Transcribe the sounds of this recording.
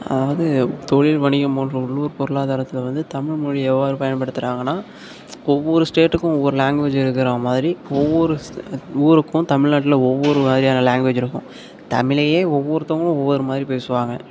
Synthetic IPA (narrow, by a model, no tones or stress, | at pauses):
ɐ̰ðaːʋɐðɯt̪ɔɻɪlʋɐɳɪɣɐmɔɳrɐʊɭːuʋɐɾpɔɾɯɭaːðaːɾɐt̪ːɪlɐʋɐnd̪ɯt̪ɐmɪɻmɔɻiɛʋːaːɾɯpɐjɐnpɐɽɯt̪ːɯɾaːŋɡɐnːaː | ɔʋːɔɾɯsʈeːʈːɯkːʊ̃ɔʋːɔɾɯlaːŋɡʋeːd͡ʒɪɾɯkːɪɾaːmaːðɪɾiɔʋːɔɾɯuːɾɯkːʊ̃t̪ɐmɪɻnaːʈ̬ːɪlɐɔʋːɔɾɯmaːðɪɾijaːnɐlaːŋɡʋeːd͡ʒɪɾɯkːʊ̃ | t̪ɐ̰mɪlɐjeːɔʋːɔɾɯt̪ɔŋɡɐɭʊ̃ɔʋːɔɾɯmaːðɪɾipeːsɯʋaːŋɡɐ